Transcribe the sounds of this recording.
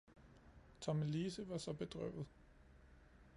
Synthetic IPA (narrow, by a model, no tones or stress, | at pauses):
t͡sʰɒmliːsəʋɑ̈sɒ̽b̥e̝d̥ʁœ̰ʊ̰ð̩ˠ